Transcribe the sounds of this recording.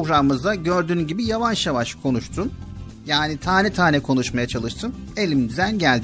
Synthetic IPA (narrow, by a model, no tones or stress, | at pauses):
oɡɾamɯmɯzd̪aɟø̞ɾd̪yːnɟibijavanʃjavaʃkʰo̞nuʃt̪ʰun | jaːnit̪ʰaːnɛt̪ʰaːnɛkʰo̞nuʃmajat͡ʃʰalˠɯʃt̪ʰɯne̞lʲimnd̪yzænɟælʲd̪